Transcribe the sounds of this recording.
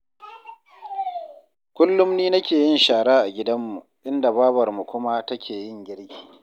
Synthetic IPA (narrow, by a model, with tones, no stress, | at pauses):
kʷʊ˦lːʊ˦mniː˦nɐ˦kʲeː˨jɪ˦nʃaː˨ɽaː˦ʔa˨ɡʲɪ˦dɐ˦mːu˨ | ʔɪ˦nda˨baː˦bɐ˨rmu˨kʷʊ˦ma˦tɐ˦kʲʰeː˨jɪ˦˨ŋɡʲɪ˦ɽɡʲi̥ː˨